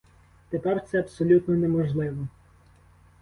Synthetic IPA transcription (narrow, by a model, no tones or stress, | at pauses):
t̪epɛrt̪sɛɐpsɔlʲut̪nɔnɛmɔʒlˠɪʋɔ